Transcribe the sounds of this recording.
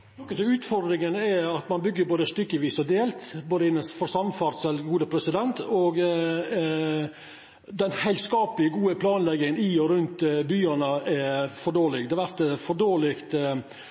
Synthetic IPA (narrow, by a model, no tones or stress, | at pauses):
nɔkːət̪ɪʉːt̪fɔɾd̪ɾɪŋənɛɑt̪mɑnbʏɡːəɾboːd̪əst̪ʏkːəʋiːsɔd̪eːlt̪boːd̪əɪnːəsfɔɾsɑmfɑːɾt̪sɛlɡuːd̪əpʰɾɛsɪd̪ɛnt̪ɔɡ | d̪ɛnhæɪlskɑːpəlɪəɡuːəpʰlɑːnlɛɡːɪŋəniɔɾʉnt̪byːɑnəɛfɔɖoːlɪɡd̪ɛɑʋæɾt̪fɔɖoːɭɪkt̪